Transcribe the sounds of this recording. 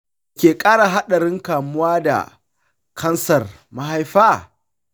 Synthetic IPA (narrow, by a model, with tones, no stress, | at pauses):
kʲeː˨kʼaː˦ɽa˨ɦa˦ɗɐ˨ɽɪ˦ŋkaː˨mʊ˦waː˦da̰˨ | kʰɐ˦nsɐ˨r | ma˦ɦa˦jɸaː˦